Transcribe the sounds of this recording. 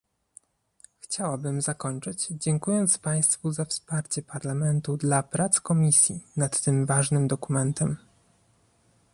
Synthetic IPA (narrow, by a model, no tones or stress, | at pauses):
xt͡ɕawabɘmzakɔɲt͡ʂɘt͡ɕd͡ʑɛŋkujɔnt̪spaj̃st̪fuzafspaɾt͡ɕɛpaɾlamɛnt̪ud̪lapɾat̪skɔmʲisʲjinat̪ːɘmvaʐnɘmd̪ɔkumɛnt̪ɛm